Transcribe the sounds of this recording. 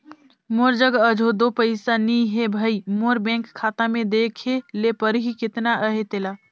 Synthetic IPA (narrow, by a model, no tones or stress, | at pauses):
moːɾd͡ʒəɡəd͡ʒʱod̪opəɪsaniɦebʱəimoɾbɛ̃ŋkʰːat̪amẽd̪ekʰelepəɾɦikɪt̪naʔəɦet̪eːla